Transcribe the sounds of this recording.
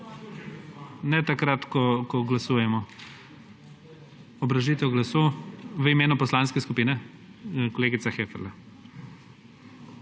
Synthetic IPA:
nɛt̪akɾat̪kɔkɔɡlasuːjɛmɔ | ɔbɾaʒit̪ɛwɡlasowʋəimeːnupɔslaːnskɛskupiːnɛ | kɔleːɡit̪saxefɛɾla

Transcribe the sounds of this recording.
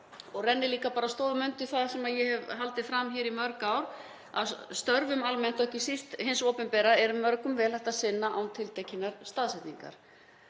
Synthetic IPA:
ɔɣrɛnːɪliːkapaːɾast̪oːwðmʏnt̪ɪθaðsɛmaðjɛhɛvɦal̪t̪ɪfɾamçɛːɾimœɾkaːwɾ | a̰ðst̪œɾvʏmalmɛn̥t̪œɛhcɪsist̪hɪnsoːpɪnpɛɾaɛɾʏmœɾkʏmvɛːlajht̪aðsɪnːaʔawnt̪ʰɪlt̪ʰejcinːaɾst̪aːðsɛht̪niŋka̰ɾ̥

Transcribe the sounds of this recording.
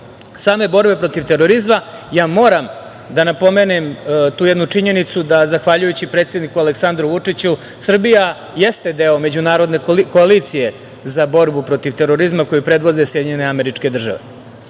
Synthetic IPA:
saːme̞bo̞ɾbe̞pɾo̞t̪iʋt̪e̞ɾo̞ɾizma | jaːmo̞ːɾam | d̪anapo̞me̞ːnemt̪uːjɛd̪nut͡ʂiɲe̞nit̪sud̪azaxʋaʎujut͡ɕipɾet̪sje̞d̪nikualeksand̪ɾuʋut͡ʂit͡ɕu | sr̩bija | jest̪ed̪e̞ːo̞me̞d͡ʑunaːɾo̞d̪ne̞ko̞aliːt̪sije̞ | zabo̞ɾbupɾo̞t̪iʋt̪e̞ɾo̞ɾizmako̞jupɾe̞d̪ʋo̞d̪e̞sje̞d̪iɲeneameɾit͡ʂke̞d̪r̩ʒa̰ʋe̞̰

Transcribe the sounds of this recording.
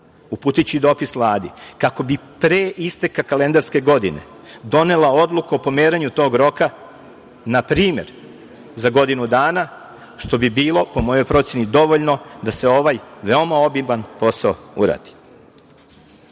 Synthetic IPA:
upuːt̪it͡ɕid̪o̞ːpisʋlˠaːd̪ikako̞bipɾeist̪ekakale̞nd̪aɾske̞ɡo̞d̪ine̞̰ | d̪o̞ne̞lao̞d̪lˠukuopo̞meːɾaɲut̪o̞ːɡɾo̞ka | napɾiːme̞ɾ | zaɡo̞d̪inud̪aːna | ʃt̪o̞bibiːlˠo̞po̞mo̞jo̞jpɾo̞t̪sje̞nid̪o̞ʋoʎno̞d̪ase̞o̞ʋajʋeomao̞bibanpo̞saoṵɾa̰ːd̪̥i̥

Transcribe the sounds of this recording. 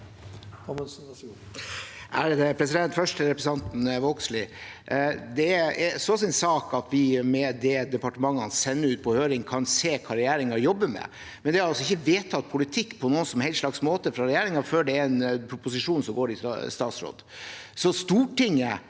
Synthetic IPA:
ʔæɛpʰɾɛsɪd̪ɛnt̪fœʂʈəɾɛpɾɛsɑnt̪n̩ʋɔkslɪ | d̪ɛɛsɔs̬ɪnsɑːkɑt̪ʋɪmɛd̪ɛd̪ɛpɑʈəmɑŋːɑnsɛnːəʉːt̪̚pʰɔhøːɾɪŋkʰɑnseːkʰɑːɾɛjæːɾɪŋɑjɔbːəmɛ̰ | mɛnd̪ɛɑɾɑlsɔɪçːəʋeːt̪ʰɑt̪̚ːpʰʊlɪt̪ʰɪkːpʰɔnuːənsɔmɛhɛɪlt̪ʂlɑksmoːt̪əfɾɑɾɛjæːɾɪŋɑføːɖɛːɛnpʰɾʊpʊsɪʂuːnsɔmɡoːɾɪst̪ɑːt̪sɾo̰ːd̪sɔst̪uːʈɪŋːə

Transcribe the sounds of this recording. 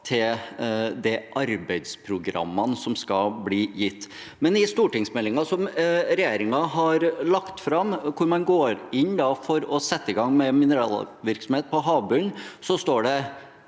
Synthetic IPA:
t̪ʰɪld̪ɛʔɑɾbɛɪd̪spʰɾʊɡɾɑ̰mːɑnsɔmskɑlbliːjɪt̪ː | mɛnɪst̪uːʈɪŋsmɛlːɪŋɑsɔmɾɛjeːɾɪŋɑɦɑɾlɑkt̪fɾɑmkʰʊɾmɑnɡoːɾɪnːd̪ɑfɔɾɔsɛt̪ːəɪɡɑŋːmɛmɪnəɾɑːlʋɪɾksɔm̩heːt̪̚pʰɔɦɑːʋbʉnsɔst̪oːɖɛ

